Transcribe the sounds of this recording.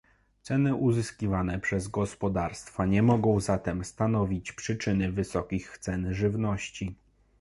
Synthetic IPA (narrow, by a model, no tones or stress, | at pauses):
t̪sɛnɘʔuzɘskʲivanɛpʂɛzɡɔspɔd̪aɾst̪faɲɛmɔɡɔ̃w̃zat̪ɛmst̪anɔvʲit͡ɕpʂɘt͡ʂɘnɘvɘsɔkʲixt̪sɛnʐɘvnɔɕt͡ɕi